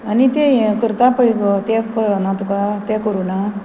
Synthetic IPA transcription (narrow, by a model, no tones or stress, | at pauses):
ɐnit̪ekiɾt̪apəjɡot̪ekɾnat̪ukat̪ekoɾuna